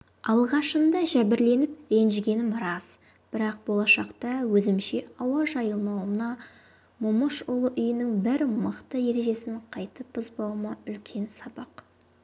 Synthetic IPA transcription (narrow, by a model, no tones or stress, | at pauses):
ɑlˠʁɑʃənd̪ɑʒæbɪɾle̞nɪp̚ɾe̞nʒɪɡʲe̞nɪmɾɑz̥ | b̥ɪɾɑq̚bo̞lˠɑʃɑqt̪ɑwɵzɪmʃe̞ɑwɑʒɑjəlˠmɑwənɑ | mʊməʃʊlˠəʔʏjɪnɪŋbɪɾməqt̪əje̞ɾe̞ʒe̞sɪɴqʰɑjt̪əpʊzbɑw̪ˠmɑʏlkʲʰe̞nsɑbɑq